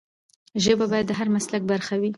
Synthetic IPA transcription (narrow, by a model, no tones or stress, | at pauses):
ʒəbabɑjad̪ːəɦaɾmaslak̚baɾxawi